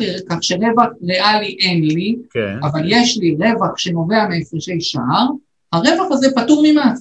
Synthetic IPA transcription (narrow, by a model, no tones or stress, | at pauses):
ikaχʃeʁe̞vaχʁeʔaliʔe̞nlikavaljeʃliʁe̞vaχʃe̞no̞ve̞ameesʃejʃa̰aʁ | haʁe̞vaχazepatuʁmima